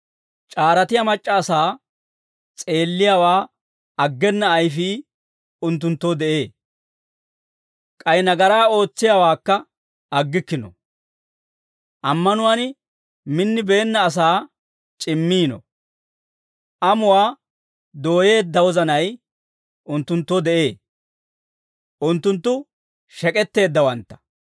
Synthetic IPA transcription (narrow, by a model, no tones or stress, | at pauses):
t͡ʃʼaːɾɐt̪ɪjɐmɐt͡ʃʼːɐːsaː | t͡sʼe̞ːlːɪjawaː | ɐɡːɛnːɐːjfiː | ʊnt̪ːʊnt̪ːod̪ɛʔe̞ː | kʼɐjnɐɡɐɾaːo̞ːt͡sːɪjawaːkːɐ | ʔɐɡːɪkːɪnɔ̰ | ʔɐmːɐnʊwan | mɪnːɪbe̞ːnːɐːs̬aː | t͡ʃʼɪmːiːnɔ̰ | ʔɐmʊwaː | d̪o̞ːje̞ːd̪ːɐwɔzɐnɐj | ʊnt̪ːʊnt̪ːod̪ɛʔe̞ː | ʔʊnt̪ːʊnt̪ːʊ | ʃɛkʼɛt̪ːe̞ːd̪ːɐwɐnt̪ːɐ̥